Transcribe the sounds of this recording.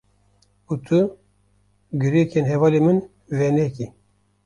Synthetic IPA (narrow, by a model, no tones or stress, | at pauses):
ut̪ʰɨ | ɡɨɾekʰenɦɛvɑlemɨn | vɛnɛki